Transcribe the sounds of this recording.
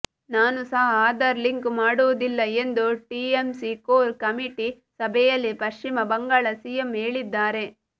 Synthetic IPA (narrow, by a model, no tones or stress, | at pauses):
naːnusɐɦɐːd̪ɐɾliŋkmaːɽuʋɐd̪ilːɐe̞nd̪uʈiːemsikoːɾkɐmiʈi | sɐbʱɛjɐlːipɐʂt͡ʃimɐbɐŋɡaːɭɐsijemɦeːɭid̪ːaːɾe̞